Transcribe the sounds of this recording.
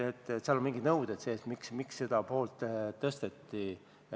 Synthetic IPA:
et̪ːˑseɑlonmiŋɡinɤwd̪̥et̪seːsmiksmiksːe̞d̪̥ɑpo̞ːlt̪ˑt̪ːɤst̪et̪ːi

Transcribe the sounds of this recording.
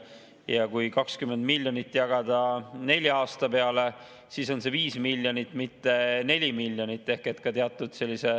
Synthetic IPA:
jɑkujkɑkskymːe̞nd̪milʲːjonit̪ːˑjɑɡ̥ɑd̪̥ɑne̞lʲjɑːst̪ɑpe̞ɑle̞ | siːso̞nse̞viːsmilʲjo̞nit̪ːˑmit̪ːe̞ne̞lʲimilʲːjo̞nit̪ːˑe̞hket̪kɑt̪eɑt̪ːˑud̪̥se̞lʲːise̞

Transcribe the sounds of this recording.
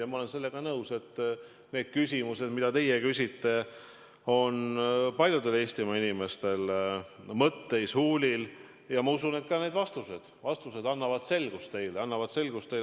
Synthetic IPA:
jɑmɑo̞le̞nse̞lːe̞ɡ̥ɑnɤwse̞t̪ː | ne̞ːd̪̥̚kys̬ʲimuse̞d̪mid̪̥ɑt̪e̞jekysʲit̪ːe̞ | o̞npɑlʲjud̪e̞le̞ːsʲt̪imɑinime̞st̪e̞l | mɤt̪ːe̞jshuːlʲil | jɑmɑusune̞t̪̚kɑːne̞ːd̪vɑst̪use̞d̪̥vɑst̪use̞d̪ɑnːɑvɑd̪̥se̞lɡ̥ust̪ːe̞jleɑnːɑvɑd̪̥se̞lɡ̥ust̪ːe

